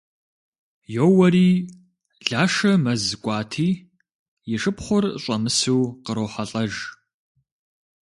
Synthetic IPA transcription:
jowɐɾiː | ɮaːʂɐmɐzkʷʼɑːtʰiː | jɪʂɨpχʷʊrɕʼɐmɨsuːqəɾoːħaɬʼɐʒ

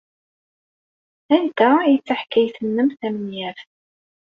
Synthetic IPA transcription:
ænt̪ːæjit͡sːaħkːæjθənːəmθæmənjæɾ

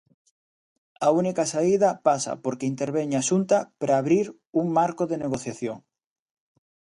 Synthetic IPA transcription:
aunikasaið̞apasa̰po̞ɾkeint̪e̞ɾβ̞e̞ɲaʃunt̪apɾaːβɾiɾ | uŋmaɾkoðe̞ne̞ɣ̞o̞θjaθjoŋ

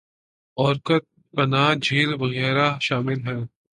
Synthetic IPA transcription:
ɔːɾkət̪̚ | pɐnaːd͡ʒʱiːlʋɐɣɛːɾaʃaːmɪlɦɛ̃ː

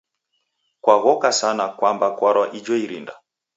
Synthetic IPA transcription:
kwaɣɔkasanakwambakwaɾwaʔid͡ʒɔiɾḭnda

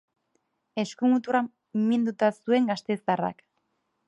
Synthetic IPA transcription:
e̞skumut̪uɾa | mind̪ut̪asue̞ŋɡast̪e̞zara̰k

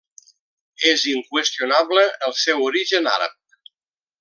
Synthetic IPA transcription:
eziŋkwəst̪ijunaβləəlˠsɛwuɾiʒəna̰ɾə̰p̚

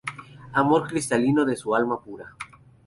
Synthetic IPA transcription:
amo̞ɾkɾist̪alinoðe̞sualmapuɾa

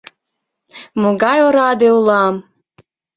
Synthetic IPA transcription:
moɡɑjoɾɑd̪eulˠɑm

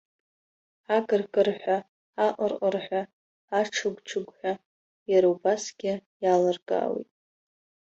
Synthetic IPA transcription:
aɡɨrkʼɨrħʷaː | ʔʼərqʼərħʷaː | ʈ͡ʂʰɨɡʷʈ͡ʂʰɨɡʷħʷᶣa | jaɾawbasɡʲɪjalɨrɡa̰ːwḭtʼ

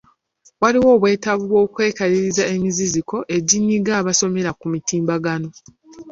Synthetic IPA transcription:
waliwo̞ːβwe̞ːtaβuβwo̞ːkwe̞ːkaliɾizae̞miziziko̞ʔe̞ɟiɲːiɡaːβaso̞me̞ɾakumitiːmbaɡano̞

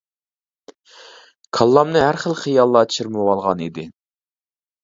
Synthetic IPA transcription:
kʰɑlˠːɑmnɨɦæɾχəlˠχijɑlˠːɑt͡ʃʰiɾmɨwɑlˠʁɑnid̪ɪ

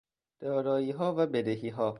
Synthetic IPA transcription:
d̪̥ɒːɾɒːiːɦɒːvæbed̪eɦiːɦɒː

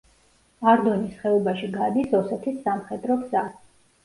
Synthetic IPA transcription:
aɾd̪ɔnisχɛɔbaʃiɡad̪isɔsɛt̪ʰisːamχɛd̪ɾɔɡza

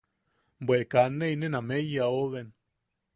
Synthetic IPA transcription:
mbwekanːejnenamejaoɣen

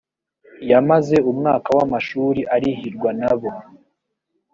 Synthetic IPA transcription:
jamaze̞umŋaːkawamaʃuːɾiʔaɾihiɾɡwanaβo̞

